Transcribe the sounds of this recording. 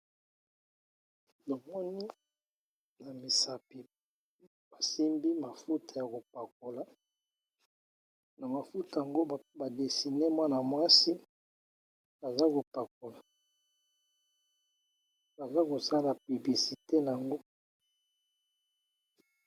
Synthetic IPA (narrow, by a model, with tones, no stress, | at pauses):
to˨mɔ˦ni˦ | na˨mi˨sa˨pi˨ | ba˨si˦mbi˦ma˨fu˦tʰa˨ja˨ko˨pa˨ko˨la˨ | na˨ma˨fu˦ta˨a˨ŋɡo˦˨ba˨de˨si˨ne˦mwa˦na˨mwa˦si˦ | ba˨za˦ko˨pa˨k̚o˨la˨ | ba˨za˦ko˨sa˦na˨py˨bli˨si˨te˦n˨a˨ŋɡo˦